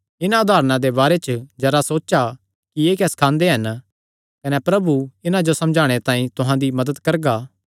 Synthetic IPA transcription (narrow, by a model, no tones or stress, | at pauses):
ɪnãʊd̪ʱaːɾnãd̪ebaːɾet͡ʃd͡ʒɐɾasoːt͡ʃa | kieːkɛskʰãːnd̪eɦɐn | kɐnɛpɾɐbuɪnãd͡ʒosɐ̃md͡ʒʱaːɽ̃et̪ãːĩt̪ʊɦãd̪imɐd̪əd̪kɐɾɡaː